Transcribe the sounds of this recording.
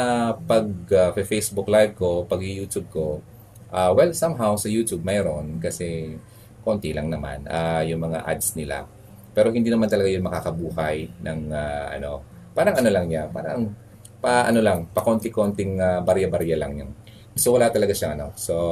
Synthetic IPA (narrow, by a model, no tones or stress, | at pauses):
apɐɡ̚afejsbʊklajv̚ko̞pɐɡɪjuːt̪ub̚ko̞ | ʔawɛlsamɦawsɐjuːt̪ub̚mɐjɾonkɐsɛ | ko̞nt̪ɪlɐŋnɐma̰nʔajʊŋmɐŋa̰ʔa̰d̪snɪla̰ | pɛːɾo̞hɪnd̪iːnɐmant̪ɐlɐɡajʊnmɐkakɐbuːhɐjnɐŋaʔɐ̰no̞ | paːɾɐŋʔɐno̞lɐŋɲapa̰ːɾɐ̰ŋ | pɐʔɐ̰no̞lɐŋpɐko̞nt̪ɪkont̪ɪŋabaɾjɐbaɾjɐlɐ̰ŋɲaŋ | sowɐlat̪ɐlɐɡaʃɐŋʔɐno̞so